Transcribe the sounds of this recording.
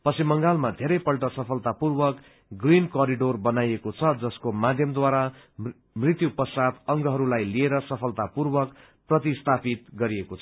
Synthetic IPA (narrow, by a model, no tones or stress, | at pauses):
pʌsimʌŋɡalmad̪ʱeɾʌjpʌlʈʌsʌpʰʌlt̪apurbʌk | ɡrinkʌɾiɖorbʌnajekot͡sʰʌd͡zʌskomad̪ʱjʌmd̪waɾa | mrit̪jupʌsad̪ʌŋɡʌɦʌɾulajlieɾʌsʌpʰʌlt̪apurbʌk | prʌt̪̬ist̪ʰapit̪ɡʌɾiekot͡sʰʌ̥